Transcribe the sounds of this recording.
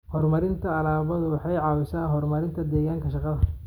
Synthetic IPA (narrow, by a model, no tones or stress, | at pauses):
hɔrmɐɾɪnt̪ʰɐːlaːβɐðʊwɑħɑjʕɑːwɪsaːɦɔrmɐɾɪnt̪ʰɐd̪ɛːɣaːŋkʰɐʃɑqɑðɐ